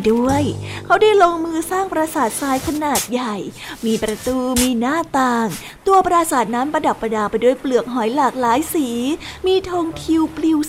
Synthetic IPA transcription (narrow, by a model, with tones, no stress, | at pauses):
du˥˩əjkʰa˦˥wdaː˥˩jloː˧ŋmɯː˧saː˥˩ŋpɾaː˧saː˨˩t̪̚saː˧jkʰa˧naː˨˩t̪̚ja˨˩jmiː˧pɾa˧t̪uː˧miː˧naː˥˩t̪aː˧ŋ | t̪u˧ɐpɾaː˧saː˨˩t̪̚naː˦˥mpɾa˧da˨˩pːa˧daː˧˩pa˧jdu˥˩əjplɯ˨˩ək̚ɦɔː˨˩˦jlaː˨˩k̚laː˨˦jsiː˩˦miː˧t̪ʰoː˧ŋt̪ʰi˧wpli˧w